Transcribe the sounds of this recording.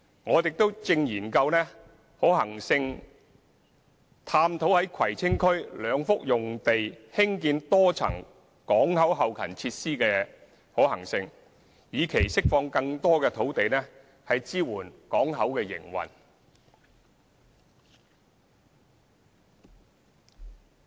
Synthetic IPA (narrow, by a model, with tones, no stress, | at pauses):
ŋɔː˨˧jɪ˨k̚t̪o˥wt͡sɪ˧ŋjiː˨˩nkɐ˧wnɛː˥ | ho˨˥whɐ˨˩ŋsɪ˧ŋ | t̪ʰaː˧mt̪ʰo˨˥whɐ˨˥jkʰwɐ˨˩jt͡sʰɪ˥ŋkʰɵ˥ɥlœː˨˧ŋfʊ˥k̚jʊ˨ŋt̪e˨jhɪ˥ŋkiː˧nt̪ɔː˥t͡sʰɐ̰˨˩ŋ | kɔː˨˥ŋhɐ˨˥wɦɐ˨wkʰɐ̰˨˩nt͡sʰiː˧t̚siː˥kɛː˧ | hɔː˨˥hɐ˨˩ŋsɪ˧ŋ | jiː˨˧kʰe˨˩jsɪ˥k̚fɔː˧ŋkɐ˧ŋt̪ɔː˥kɛː˧t̪ʰo˨˥wt̪e˨jnɛː˥ | hɐ˨jt͡siː˥wuː˨˩nkɔː˨˥ŋɦɐ˨˥wkɛː˧jɪ̰˨˩ŋwɐ̰˨˩n